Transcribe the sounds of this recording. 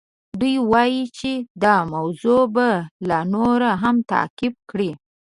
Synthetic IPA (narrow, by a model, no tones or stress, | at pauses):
d̪ujwɑjit͡ʃed̪ɑmawzobalɑnoɾaɦamt̪a̰kɪb̚kɽi